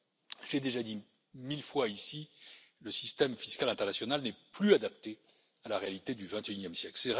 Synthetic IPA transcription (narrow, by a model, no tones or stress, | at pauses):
ʒə̥ed̪eʒad̪i | milfwaisi | ləsist̪ɛmfiskʲalɛ̃t̪ɛʁnasjɔnalnɛplyad̪apt̪e | alaʁealit̪ed̪yvɛ̃t̪eynjɛmsjɛklsɛ